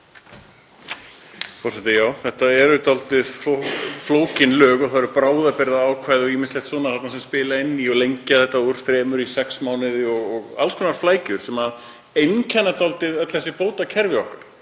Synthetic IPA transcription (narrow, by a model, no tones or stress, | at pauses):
fɔrsɛt̪ɪjaːwθɛht̪aɛɾʏt̪alt̪ɪðffloːwcɪnlœːɣɔθaɾʏpɾaːwðapɪɾðaaːwkʰvaːjðɪɔɣimɪnslɛht̪sɔːnaθat̪nasɛmspɪːlaɪnːiɔɣlejɲcaθɛht̪ːauɾ̥θɾɛːmʏɾisɛksmaːwnɪðɪɔɣɔɣa̰lskʰɔnaɾ̥flaːjcʏɾ̥sɛma | ejncʰanːat̪alt̪ɪðœt̪lɛsɪpoːwt̪acʰɛɾvɪɔhkaɾ̥